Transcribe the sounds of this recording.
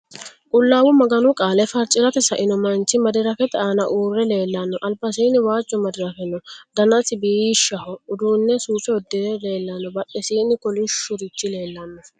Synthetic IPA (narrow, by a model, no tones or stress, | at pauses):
kʼʊlːaːwʊmɐɡɐnʊkʼaːlɛfɐɾt͡ʃʼːɪɾɐt̪ɛsɐʔɪnɔmɐnt͡ʃːɪmɐd̪ɪɾɐfɛt̪aːnɐʔuːrːɛle̞ːlːɐnːɔʔɐlbɐsiːnɪwaːt͡ʃːɔmɐd̪ɪɾɐfɛnːɔd̪ɐnɐtɪbiːʃːɐhɔʊd̪uːnːɛsuːfɛɔd̪ːɪɛle̞ːlːɐnːɔbɐɗːɛsiːnːɪkɔlɪʃːʊɾɪt͡ʃːɪle̞ːlːɐnːɔ